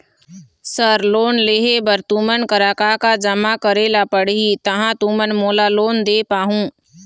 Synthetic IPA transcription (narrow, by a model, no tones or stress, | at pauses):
səɾloːnleɦebəɾt̪umənkəɾaːkaːkad͡ʒəmakəɾeːlapəɽɦit̪ɐɦãt̪umənmoːlaloːnd̪eːpaːɦũː